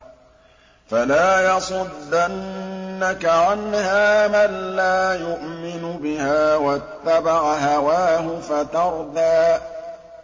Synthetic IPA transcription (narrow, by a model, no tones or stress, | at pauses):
falaːjɑsˤʊd̪ːanːakaʕanhaːmanlaːjʊʔmɪnʊbɪhaːwat̪ːabaʕaɦawaːɦʊfat̪ɑɾˤd̪aː